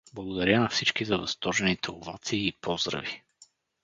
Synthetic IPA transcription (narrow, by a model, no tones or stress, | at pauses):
blˠɐɡʊd̪ɐɾʲənɐfsit͡ʃkizɐvɐst̪ɔɾʒɛnit̪ɛovat̪siːpɔzd̪ɾə̰vi